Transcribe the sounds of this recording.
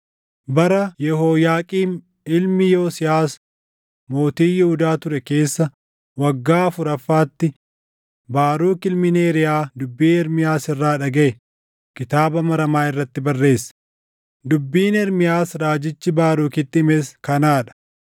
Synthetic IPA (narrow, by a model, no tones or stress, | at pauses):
bɐɾɐjɛhoːjaːkʼiːn | ɪlmɪjoːsɪjaːs | mo̞ːt̪iːjɪhʊd̪aːt̪ʊɾɛke̞ːsːɐ | wɐɡːaːfʊɾɐfːaːt̪ːɪ | baːɾuːkɪlmɪneːɾɪjaːd̪ʊbːiːnɛɾmɪjaːsɪrːaːᶑɐɡɐʔɛ | kɪt̪aːbɐmɐɾɐmaːɪrːɐt̪ːɪbɐrːe̞ːsːɐ̥ | d̪ʊbːiːnɛɾmɪjaːsɾaːd͡ʒɪt͡ʃːɪbaːɾuːkɪt̪ːɪmeːskɐnaːᶑɐ̥